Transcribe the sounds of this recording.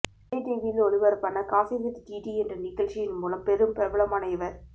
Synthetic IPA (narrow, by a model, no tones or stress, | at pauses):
ɐʈiʋilɔɭɪʋɐɾpɐnːɐkaːfiʋɪt̪ːʈiːʈiɛndrɐnɪɣɐɭt͡ʃɪjɪnmuːlɐmpɛɾɯmpɛʋɐɭɐmɐnɐɪʋɐɾ